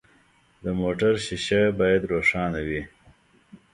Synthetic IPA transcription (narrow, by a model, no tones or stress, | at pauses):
d̪əmoʈaɾɕiɕabɑːjad̪ɾoːʂɑːnawi